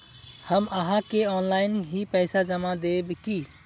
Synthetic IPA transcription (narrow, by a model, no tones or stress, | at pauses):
həməɦãkeɔːnlaɪnɦipɛɪsad͡ʒəmad̪ebki